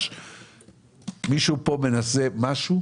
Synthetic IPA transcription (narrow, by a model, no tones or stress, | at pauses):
ʃ | miʃupo̞me̞nasemaʃu